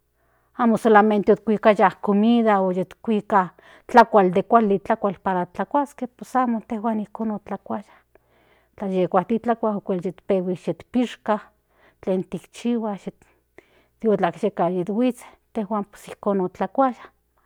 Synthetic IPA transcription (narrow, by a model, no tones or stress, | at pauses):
amosolament̪eot̪̚kʷikajahkomiðaojet̪kʷika | t͡ɬakʷald̪ekʷalit͡ɬakʷalpaɾat͡ɬakʷaskehpesamot̪ehwaːnihkoːnot͡ɬakʷajḁ | t͡ɬajekʷat̪it͡ɬakʷaokʷeljet̪pewiʃet̪piʃkah | t͡ɬeːnt̪ikt͡ʃiwaʃe | t̪iot͡ɬakʃekajet̪wit͡se̥t̪ehwaːmpe̥sihkoːnot͡ɬakʷajḁh